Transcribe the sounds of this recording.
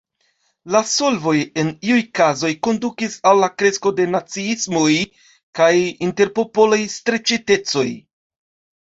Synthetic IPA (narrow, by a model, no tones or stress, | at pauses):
laso̞lvo̞je̞niujkazo̞jko̞ndukisalːakɾe̞sko̞de̞nat͡siismo̞j | kajinte̞ɾpo̞po̞lajstɾe̞t͡ʃite̞t͡so̞j